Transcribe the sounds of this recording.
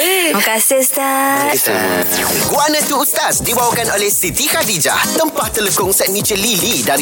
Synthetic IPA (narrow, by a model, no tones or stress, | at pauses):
əkasɪst̪a̰ | ɡuanãt̪uːt̪asdibawakanolɛhsit̪ikadid͡ʒa̰ht̪əmpaht̪ələkʊŋsɛt̪̚mĩt͡ʃəlilida